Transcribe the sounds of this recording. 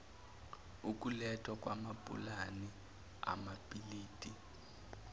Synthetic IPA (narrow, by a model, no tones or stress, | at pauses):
uk̬ʼulɛtʰʼwak̬ʼwamapʼṵlani | a̰mapʼiliːtʼi